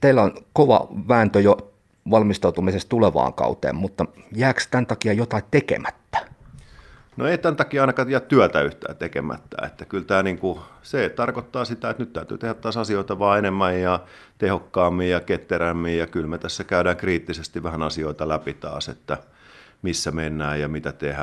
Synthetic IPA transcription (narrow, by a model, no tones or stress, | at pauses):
t̪eilːæonkoʋɑ̰ʋæːnt̪øjo | ʋɑlmist̪ɑut̪umisest̪uleʋɑ̰ːŋkɑ̰ut̪ḛːmmut̪ːɑjæːkst̪ænt̪ɑkiɑjot̪ɑit̪t̪ekḛmæt̪ːæ̥ | no̰eit̪ænt̪ɑkiɑɑinɑkɑt̪jæt̪t̪yæt̪æyht̪æ̰ːt̪ekḛmæ̰t̪ːæ̰ḛt̪ːækylt̪æːniːŋkuset̪ɑrkot̪ːɑːsit̪æet̪nyt̪t̪æyt̪y̰ːt̪ehæt̪t̪ːɑːsɑsioˑit̪ɑʋɑːenemːæjjɑ | t̪ehokːɑːmːijjɑket̪ːeɾæmːiːjjɑkylmet̪æsːækæyɾæːŋkriːt̪ːisest̪iʋʋæhænɑsioit̪ɑlæpit̪ɑ̰ːsḛt̪ːæ | misːæmenːæːjjɑmit̪æt̪ehæ